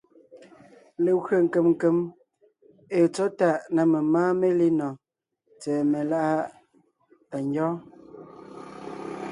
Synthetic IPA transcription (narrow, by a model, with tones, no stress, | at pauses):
le˨ɣɰə˨ŋ̩˨ke˨mŋ̩˨ke˨m | e˨t͡so˦ta˨ʔna˨me˨maː˦me˦li˦nɔ˨ | t͡sɛː˨me˨la˦ʔa˦ | a˨ɲjɔ˦